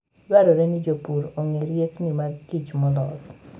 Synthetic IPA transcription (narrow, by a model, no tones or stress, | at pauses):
jwaɾoɾenɪd͡ʒopuɾoŋeɾjeknimaɡit͡ʃmɔlɔs